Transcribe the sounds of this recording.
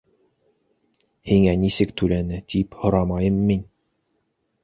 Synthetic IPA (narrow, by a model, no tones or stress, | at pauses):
hiŋænisɘkt̪ʉlænɘt̪ʰiphŏɾɑmɑjɤmːin